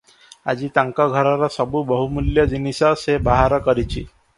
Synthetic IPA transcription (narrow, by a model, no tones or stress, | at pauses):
a̰d͡ʑiːt̪aŋkaɡʱəɾaɾasəbuːbəɦumuljad͡ʑinisasebaɦaɾəkəɾit͡ɕḭː